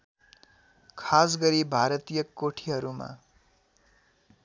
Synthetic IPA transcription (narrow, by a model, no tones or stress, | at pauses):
kʰasɡʌɾibʱaɾʌt̪ijʌkoʈʰiɦʌɾuma̰